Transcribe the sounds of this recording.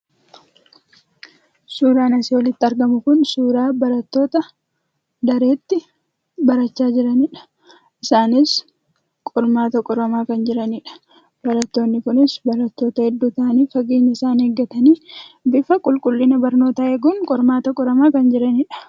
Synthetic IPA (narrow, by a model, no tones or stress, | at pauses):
suːɾaːnɐsɪwɔlɪt̪ːɪɐɾɡɐmʊkʊnsuːɾaːbɐɾɐt̪ːo̞ːt̪ɐ | d̪ɐɾe̞ːt̪ːɪ | bɐɾɐt͡ʃːaːd͡ʒɪɾɐniːᶑɐ̥ | ʔɪsaːnɪs | kʼɔɾmaːt̪ɐkʼɔɾɐmaːkɐnd͡ʒɪɾɐniːᶑɐ̥ | b̥ɐɾɐt̪ːo̞ːnːɪkʊnɪsbɐɾɐt̪ːo̞ːt̪ɐhɛd̪ːuːt̪aːniːfɐɡeːɲːɐɪsaːneɡːɐt̪ɐniːbɪfɐkʼʊlkʼʊlːɪnɐbɐɾno̞ːt̪ɐeːɡʊŋkʼɔɾmaːt̪ɐkʼɔɾɐmaːkɐnd͡ʒɪɾɐniᶑɐ̥